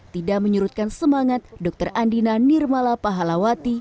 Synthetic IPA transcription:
t̪idaʔ̚məɲuɾut̪̚kansəmaŋat̪̚dɔk̚t̪ərʔandinanirmalapaɦalawat̪i

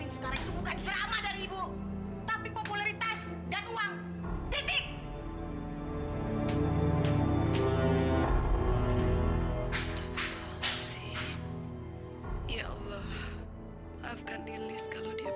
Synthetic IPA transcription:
ɪnsəkaɾaŋit̪ubukant͡ʃəɾamadaɾiibu | t̪apipopulaɾit̪as | danuaŋ | t̪it̪ɪk̚ | ast̪afaalasɪh | jaʔɑ̰lːah | afkanilɪskaladi

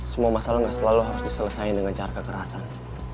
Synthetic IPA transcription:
səmuamasalaŋɡaʔsəlaluɦaɾʊsdisələsajndəŋant͡ʃaɾakəkəɾasan

